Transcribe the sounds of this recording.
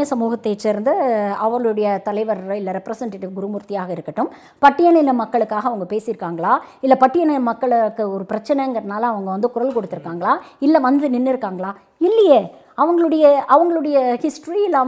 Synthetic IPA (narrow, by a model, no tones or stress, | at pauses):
ɐsɐmuːɣɐt̪ːet͡ʃːɪɾɯnd̪ɯɐʋɐŋɡɐɭɯɽɐjɐt̪ɐlɐɪʋɐɾɪlːɐɾɛpːɾɐsɐɳʈeːʈːɪʋɡʊɾɯmʊɾt̪ːɪjaːɣɐɪɾɯkːɐʈːɯm | pɐʈːɪjɐnɪlɐmɐkːɐɭɯkːaːɣɐʋɐŋɡɐpeːsɪɾɯkːaːŋɡɐɭaːɪlːɐpɐʈːɪjɐnɐɐmɐkːɐɭɯkːɯɔɾɯpɪɾɐt͡ʃːɐnɛŋɡɐɾɐnaːlɐɐʋɐŋɡɐʋɐnd̪ɯkʊɾɐlkɔɽɯt̪ːɯɾɯkːaːŋɡɐɭaːɪlːɛʋɐnd̪ɯnɪnːɪɾɯkːaːŋɡɐɭaː | ɪlːɐjeː | ɐʋɐŋɡɐɭɯɽɐjɐʔɐʋɐŋɡɐɭɯɽɐjɐhɪsʈɾiɪlːaː